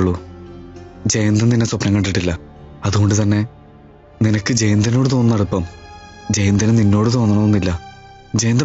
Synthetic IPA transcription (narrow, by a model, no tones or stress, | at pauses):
ɭːu | d͡ʑejnd̪ɐnninːeswɐpnɐŋːɐɳʈːiʈːilːɐ | ɐðuɣo̞ɳɖɨt̪ɐnːe̞ | ninɐkːɨd͡ʑejnd̪ɐno̞ːɽɨt̪o̞ːnːnɐɽupːɐm | d͡ʑe̞jnd̪ɐnɨninːo̞ːɽɨt̪o̞ːnːuɳːɐʋonːilːɐ | d͡ʑejnd̪ɐ